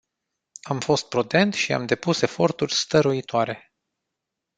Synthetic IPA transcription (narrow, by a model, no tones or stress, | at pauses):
amfo̞st̪̚pɾud̪e̞nt̪ʃia̰md̪e̞puse̞fo̞rt̪urʲst̪əɾuit̪oaɾe̞